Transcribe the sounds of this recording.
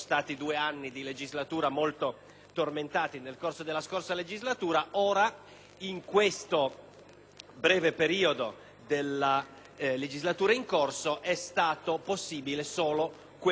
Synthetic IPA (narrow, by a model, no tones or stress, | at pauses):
st̪aːt̪id̪uːeanːid̪iled͡ʒizlat̪uːɾamolt̪o | t̪orment̪aːt̪inelkorsod̪elːaskorsaled͡ʒizlat̪uːɾaoːɾa | iŋkwest̪o | bɾɛːvepeɾiːod̪o | d̪elːa | led͡ʒizlat̪uːɾaiŋkorsoʔɛst̪aːt̪oposːiːbilesoːlo | kw